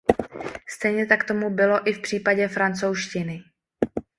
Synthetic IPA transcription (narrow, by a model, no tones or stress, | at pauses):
st̪ɛjɲɛt̪akt̪o̞mubɪlo̞ʔɪfpr̥iːpaɟɛfɾant͡so̞wʃcɪnɪ